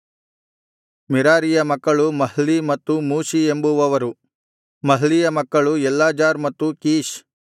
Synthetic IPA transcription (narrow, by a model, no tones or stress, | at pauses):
miɾaːɾijɐmɐkːɐɭumɐɦlimɐt̪ːumuːʃiembuʋɐʋɐɾu | mɐɦlijɐmɐkːɐɭuɛlːaːd͡ʒaːɾmɐt̪ːukiːʃ